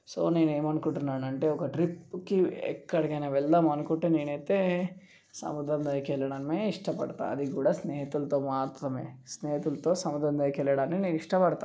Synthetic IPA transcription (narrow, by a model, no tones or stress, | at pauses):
soːneːneːmɐnkuʈːɾinaːnɐɳʈeɔkɐʈɾipːkːiɛ̰kːɐɽɐɡenɐʋɛlːɐmɐnkuʈːeniːnet̪e | sɐ̰mud̪ɾɐnd̪aːjkelɐɽaːnːeːiʂʈɐpɐ̰ɽt̪a̰ːɐd̪ikuːɽaːsneːɦɐt̪ult̪oːmaːt̪ɾɐmḛːsneːɦɐt̪ult̪oːsɐmud̪ɾɐnd̪aːjɐkelːɐɽaːnːeːneːniʂʈɐpɐɽt̪a̰